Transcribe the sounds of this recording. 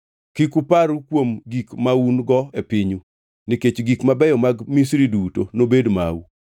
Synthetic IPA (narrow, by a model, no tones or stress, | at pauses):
kikupaɾukwomɡikmaunɡɔepiɲu | niket͡ʃɡikmabɛjɔmaɡmisɾidutonobedma̰u